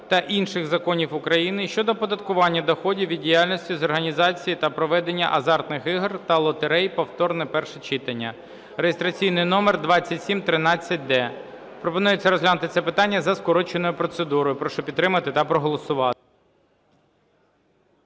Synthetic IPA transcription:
t̪ɐʔinʃɪxzɐkɔnʲiwʊkɾɐjinɪʃt͡ʃɔd̪ɔpɔd̪ɐt̪̚kʊʋɑnʲːɐd̪ɔxɔdʲiwʋʲid̪ʲdʲijalʲnɔsʲtʲizɔrɦɐnʲizɑt͡sʲijit̪ɐpɾɔʋɛd̪e̞nʲːɐ̰ʔɐzɑrt̪nɪxɪɦrt̪ɐlˠɔt̪eɾɛjpɔwt̪ɔrnɛpɛrʃɛt͡ʃɪt̪ɐnʲːɐ̰ | rejɪst̪ɾɐt͡sʲijnɪjnɔmerd̪ʋɑt͡sʲːɐtʲsʲimt̪ɾɪnɑt͡sʲːɐt̚ʲd̪ɛ | pɾɔpɔnujet͡sʲːɐɾɔzɦlʲanʊt̪ɪt̪sɛpɪt̪ɑnʲːɐzɐskɔɾɔt͡ʃenɔjʊpɾɔt̪sed̪uɾɔjʊpɾɔʃɔpʲid̪ɾɪmɐt̪ɪt̪ɐpɾɔɦɔlˠɔsʊʋɑɪ

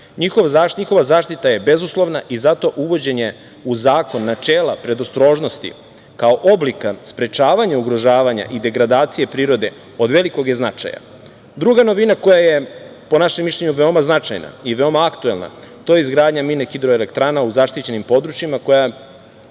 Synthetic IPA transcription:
ɲixo̞ʋzaɲixo̞ʋazaːʃt̪it̪aje̞be̞zuslˠo̞ʋnaʔizat̪o̞ʔuʋo̞d͡ʑe̞ɲje | uzaːko̞nːat͡ʃeːlˠapɾe̞d̪ost̪ɾo̞ːʒnost̪ḭ | kao̞ʔo̞blikaspɾe̞t͡ʃaːʋaɲauɡɾo̞ʒaːʋaɲa̰ʔid̪e̞ɡɾad̪aːt̪sije̞pɾiːɾo̞d̪e̞ | o̞d̪ʋe̞liko̞ɡjeznat͡ʃa̰ja̰ | d̪ɾuɡano̞ʋinako̞jajepo̞naʃemːiʃʎʲeɲuʋeomaznat͡ʃa̰jna̰iʋe̞o̞maakt̪ue̞lna̰t̪o̞ːjeizɡɾaːd̪ɲaminexid̪ɾo̞ele̞kt̪ɾaːnauzaʃt̪it͡ɕe̞nimpo̞d̪ɾut͡ʃimako̞ja

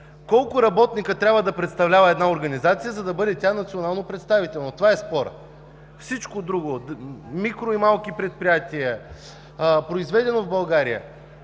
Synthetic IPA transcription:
kɔlˠkʊɾɐbɔt̪nikət̪ɾʲabvəd̪ɐpɾɛt̪st̪ɐvlʲavəɛd̪naoɾɡɐnizat̪sijəzɐd̪ɐbɤd̪ɛt̪ʲanɐt̪sionalˠnopɾɛt̪st̪avit̪ɛlˠnot̪ovaɛspɔɾə̰ | fsit͡ʃkod̪ɾuɡomikɾoimalˠkipɾɛt̪̚pɾijat̪iə | pɾoizvɛd̪ɛnovbɐlˠɡaɾijə̰

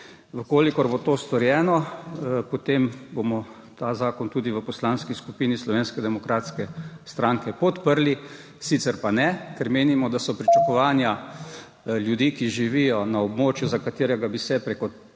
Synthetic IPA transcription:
ʋəkoːlikɔɾbot̪oːst̪ɔɾjɛːnɔpɔt̪embomɔ | t̪aːzaːkɔnt̪uːd̪iʋəpɔslaːnskiskupiːnislɔʋeːnskɛd̪ɛmɔkɾaːt̪skɛst̪ɾaːŋkɛpɔt̪pəɾli | sit̪sɛɾpanɛkɛɾmeːnimɔd̪asɔpɾit͡ʃakɔʋaːnja | ljud̪ikiʒiʋijɔnaɔbmoːt͡ʃjuzakat̪eːɾɛɡabisɛpɾekɔ

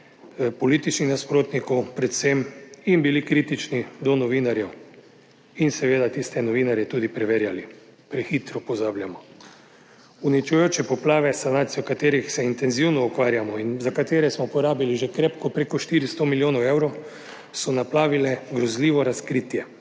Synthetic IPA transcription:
pɔliːt̪it͡ʃnixnaspɾoːt̪nikɔwpɾɛt̪semimbilikɾit̪it͡ʃnid̪ɔnɔʋiːnaɾjɛw | insɛʋeːd̪at̪ist̪ɛnɔʋiːnaɾjɛt̪ud̪ipɾɛʋeːɾjali | pɾɛxit̪ɾɔpɔzaːbljamɔ | unit͡ʃujoːt͡ʃɛpɔplaːʋɛsanaːt̪sijɔkat̪eːɾixsɛint̪ɛnziwnɔukʋaːɾjamɔinzakat̪eːɾɛsmɔupɔɾaːbiliʒekɾepkɔpɾekɔʃt̪iːɾist̪omiljoːnɔwewɾɔw | sɔnaplaːʋilɛɡɾɔzliːʋɔɾaskɾiːt̪jɛ

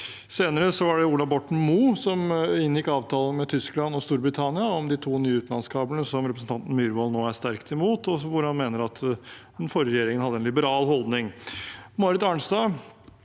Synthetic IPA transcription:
seːnəɾəsɔʋɑɖɛuːlɑʋbɔʈɳ̩muːsɔmɪnːjɪkːɑːʋt̪ʰɑːlənmɛt̪ʰʏsklɑnɔst̪uːɾbɾɪt̪ʰɑnɪɑɔmd̪ɪt̪ʰuːnyːʉːt̪nɑnskʰɑːbəlnəsɔmɾɛpɾsn̩t̪ɑnt̪n̩myːɾʋɔːlnoːæʂt̪æɾkt̪ʰɛmuːt̪ɔʋʊɾhɑnmeːnəɾɑt̪ʰ | ɛnfɔɾəɾɛjeːɾɪŋənhɑd̪ːəɛnlɪbəɾɑːlhɔlˠd̪nɪŋmoːɾɪt̪ɑːɳsd̪ɑː

